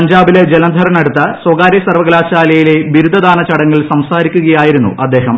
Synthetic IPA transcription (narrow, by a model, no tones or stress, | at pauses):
ɲd͡ʑaːbiled͡ʑelɐnd̪ʱɐɾɐnɐɽut̪ːɐswɐɡaːɾjɐsɐrʋɐɡɐlaːɕaːlɐjile̞ʋiɾud̪ʱɐd̪aːnɐt͡ɕɐɽɐŋːɐɭsɐmsaːɾikʲːuɣɐjaːjiɾunːṵʔɐd̪ːe̞ːɦɐm